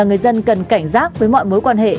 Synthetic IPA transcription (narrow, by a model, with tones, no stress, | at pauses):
ŋɨ˨˩əjzə˧nkə˨˩nka˧˩jŋ̟zaː˦˥k̚vəː˨˦jmɔ̰˧˨jmo˨˦jkwaː˧nhḛ˧˨